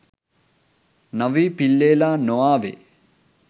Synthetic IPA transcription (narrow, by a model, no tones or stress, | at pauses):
nɐʋiːpilːeːlaːnoaːʋḛ